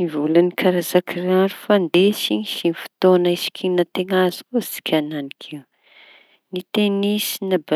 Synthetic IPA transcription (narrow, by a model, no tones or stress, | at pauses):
ivulanikʰaɾazakiraɾu̥fand̪esiɲiʃinifi̥t̪onaisi̥kʲʰinat̪eŋazkosi̥kʲʰananikʰiw | nit̪enisinaba